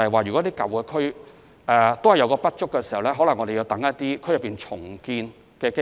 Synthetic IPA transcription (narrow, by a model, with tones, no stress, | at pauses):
hɐ˨jwaː˨jɥy˨kɔ˨˦˥iː˥kɐ̰˨wkɛː˧kʰɵ˥ɥ | ɛ˧t̪o˥whɐ˨jɐ˧wkɔː˧pɐ˥t̚t͡ʃʊ˥kːɛː˧s̬i˨˩hɐ˨˩wlɛː˥ɦɔ˨˥lɐ˨˩ŋɔː˨˧de˨ji˨˧wt̪ɐ˨˥ŋːɐ˦˥t̚t̪iː˥kʰɵ˥jɐ˨pːiː˨˩nt͡ʃʰʊ˨˩ŋkiː˧n | kɛː˧ke˥